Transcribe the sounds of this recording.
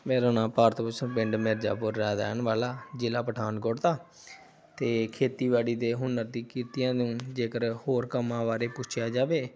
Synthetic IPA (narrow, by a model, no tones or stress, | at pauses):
meːɾoːnãːpaːɾt̪pʊt͡ʃʰpɪ̃ɳɖmeɾd͡ʒa̰ːpʊɾːɛːd̪aːnʋaːlaːd͡ʒɪlaːpəʈʰaːnɡoɽt̪aː | t̪eːkʰeːt̪iːʋaːɽiːd̪eːɦʊnəɾd̪ĩːkiɾt̪ɪjãːd̪eũːd͡ʒeːkəɾhoːɾkəmãːʋaːɾeːpʊt͡ʃʰjaːd͡ʒaːʋeː